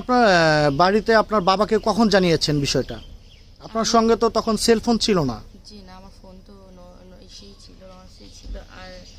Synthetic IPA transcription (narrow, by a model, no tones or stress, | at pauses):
apnaɾbaɾit̪eapnaɾbabakekɔkʰond͡ʑanijet͡ɕʰenbiʃɔeʈa | apnaɾʃɔŋɡet̪ot̪ɔkʰonselfʰont͡ɕʰilona̰ | d͡ʑinaamaɾfont̪o | nɔ | eʃet͡ɕʰilo | ʃet͡ɕʰiloʔaɾ